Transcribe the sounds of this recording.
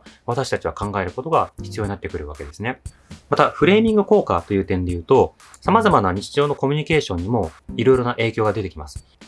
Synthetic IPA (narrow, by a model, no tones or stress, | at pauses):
β̞at̪aɕi̥t̪at͡ɕiβakãŋɡae̞ɾɯ̟ko̞t̪o̞ɡaçi̥t͡sɨjoɲinat̪ːe̞kɯ̟ɾɯ̟βake̞d̪e̞sɨne̞ | mat̪aɸɯ̟ɾe̞ːmʲĩŋɡɯ̟ko̞ːkat̪ojɯ̟ːt̪ẽ̞nd̪e̞jɯ̟ːt̪o̞ | samazamanaɲ̟it͡ɕi̥ʑo̞ːno̞ko̞mʲiɲ̟ike̞ːɕõ̞ɲ̟ːimo̞iɾo̞iɾo̞naʔe̞ːkʲo̞ːɡad̪e̞t̪e̞kʲimasɨ̥